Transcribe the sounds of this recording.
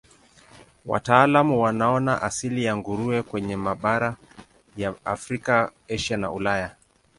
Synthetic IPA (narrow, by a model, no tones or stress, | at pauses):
wa̰taːlamuwanaɔnaʔasilijaŋɡuɾuɛkwɛɲɛmaɓaɾa | jaːfɾikaɛʃana̰ulaja